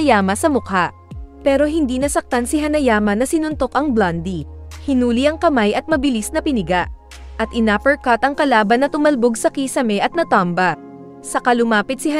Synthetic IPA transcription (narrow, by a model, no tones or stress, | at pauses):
jaːmɐsɐmʊkaʔ | pɛːɾo̞ɦɪnd̪iːnɐsɐk̚t̪ansɪɦɐnɐjaːmɐnɐsɪnʊnt̪o̞kʔɐŋbland̪ihɪnuːliʔɐŋkɐmajʔɐt̪̚mɐbɪlisnɐpɪnɪɡaʔ | ʔɐt̪ʔɪnaːpɛɹkɐt̪ɐŋkɐlaːbɐnːɐt̪ʊmɐlboɡsɐkiːsɐmɛʔɐt̪̚nɐt̪ambɐ | sɐkɐlʊmaːpɪt̪̚sɪɦɐ